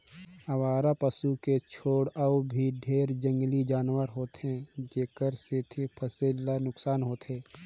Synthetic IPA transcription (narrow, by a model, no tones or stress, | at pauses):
ɐwaːɾapəsuket͡ʃʰoːɽaubʱiɖʱeːɾd͡ʒə̃ŋɡlid͡ʒaːnwəɾɦoːt̪ɦɛ̃d͡ʒeːkəɾset̪ʰipʰəseːlanʊksaːnɦoːt̪ɦɛ̃ː